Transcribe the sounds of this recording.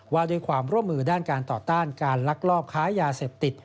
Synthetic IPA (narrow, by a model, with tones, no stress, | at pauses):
waː˧doː˧jkʰwaː˧mɾu˥˩əmːɯː˧daː˥˩nkaː˧nt̪ɔː˨˩t̪aː˥˩nkaː˧nla˦˥k̚lɔː˥˩p̚kʰaː˦˥jaː˧seː˨˩p̚t̪i˨˩t̪̚